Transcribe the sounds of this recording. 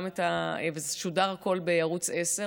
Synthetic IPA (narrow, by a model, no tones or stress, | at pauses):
metaevezeʃudaʁako̞lbejaʁut͡sese